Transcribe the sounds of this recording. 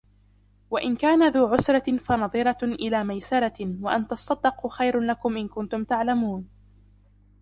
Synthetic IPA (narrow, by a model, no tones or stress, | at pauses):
waʔɪnkaːnaðuːʕʊsɾˤɑfanɑðˤɨɾˤɑʔɪlaːmajsɑɾˤɑwaʔant̪ɑsˤːɑd̪ːɪqxajɾlakʊmʔɪnkʊnt̪ʊmt̪aʕlamuːn